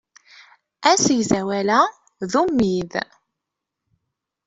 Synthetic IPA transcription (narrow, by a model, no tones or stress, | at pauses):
æsəʝzæwælæ | ðumːið